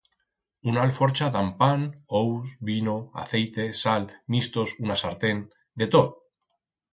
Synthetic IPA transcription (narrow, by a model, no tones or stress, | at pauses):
unalfo̞ɾt͡ʃaðampanowsβinoa̰θe̞jt̪e̞salmist̪o̞sunasaɾt̪e̞n | d̪e̞t̪o